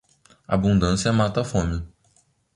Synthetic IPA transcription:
abũnd̪ɐ̃sjɐmat̪ɐfõmɪ

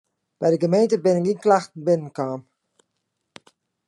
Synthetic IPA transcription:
b̥ɛjdəɡəmeːntəbɪnɪkinklaxtn̩bɪnənkaːm

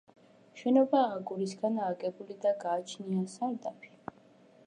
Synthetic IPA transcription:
ʃɛnɔbaːɡʼuɾisɡanaːɡʼɛbulid̪aɡaːt͡ʃʰniasaɾd̪apʰi̥

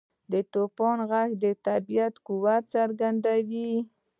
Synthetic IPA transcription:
d̪ət̪opɑnɣaxd̪ət̪abijat̪kuwat̪saɾɡand̪awi

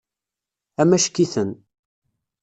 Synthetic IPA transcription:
æmæʃkːiθən

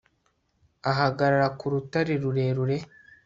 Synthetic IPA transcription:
aɦaɡaɾaɾakuɾutaɾeɾuɾe̞ɾuɾe̞

